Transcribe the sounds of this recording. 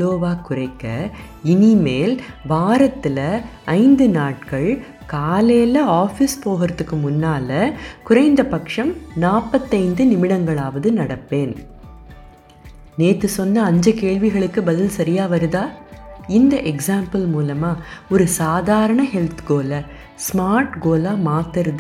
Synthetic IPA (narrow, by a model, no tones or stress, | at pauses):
loːʋaːkʊrɐɪkːɐ | ɪnimeːlʋaːɾɐt̪ːɪlɐ | ɐɪnd̪ɯnaːʈkɐɭ | kaːleːlɐaːfɪspoːɣɐɾɐt̪ːɯkːɯmʊnːaːlɐkʊɾɐɪnd̪ɐpɐkʂɐmnaːpːɐt̪ːɐɪnd̪ɯnɪmɪɽɐŋɡɐɭaːʋɐðɯnɐɽɐpːeːn | neːt̪ːɯsɔnːɐːɲd͡ʒɐkeːɭʋɪɣɐɭɯkːɯbɐðɪlsɐɾɪjaːʋɐɾɯðaːɪnd̪ɐʔɛksaːmpɐlmuːlɐmaːɔɾɯsaːðaːɾɐɳɐhɛlt̪ɡoːlɐ | smaːɾʈɡoːlaːmaːt̪ːɐɾɐð